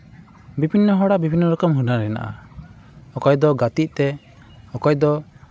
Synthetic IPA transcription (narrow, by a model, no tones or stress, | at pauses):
bibʱinːɔɦɔɽabibʱinːɔɾɔkɔmɦunaɾɛna̰ʔa̰ | ɔkɔjd̪ɔɡat̪iʔ̚t̪ɛ | ɔkɔjd̪ɔ